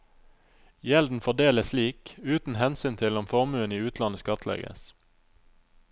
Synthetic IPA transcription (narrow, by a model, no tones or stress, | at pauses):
jɛld̪n̩fɔd̪eːləsliːkʉːt̪n̩hɛnsyːnt̪ʰɪlɔmfɔʁmʉːəniːʉːt̪ʰlɑnəskɑt̪ʰlɛ̰ɡə̰s